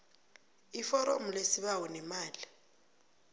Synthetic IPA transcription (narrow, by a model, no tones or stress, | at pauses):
ifɔɾɔ̰mulesiɓawɔnɛmaːli